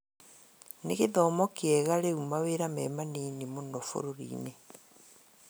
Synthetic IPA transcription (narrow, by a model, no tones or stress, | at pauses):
neɣeðɔmɔkeɛɣaɾeumaweɾamɛmaniːnemonɔfo̰ɾoɾḭːne